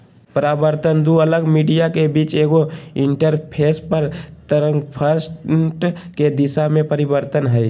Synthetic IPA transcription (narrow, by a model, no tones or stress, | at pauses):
pɾaːbəɾt̪ənd̪uələɡmiɖijakebiːt͡ʃeːɡoɪ̃ɳʈəɾpʰeːspəɾt̪əɾə̃ŋpʰəɾsʈʈked̪ɪsamẽpəɾɪbəɾt̪ənɦəj